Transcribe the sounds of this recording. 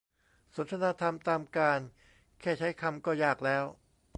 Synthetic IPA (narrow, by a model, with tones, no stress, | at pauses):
so˨˩˦nt̪ʰa˧naː˧t̪ʰa˧mt̪aː˧mkaː˧n | kʰɛː˥˩t͡ɕʰa˦˥jkʰa˧mkɔː˥˩jaː˥˩k̚lɛː˦˥w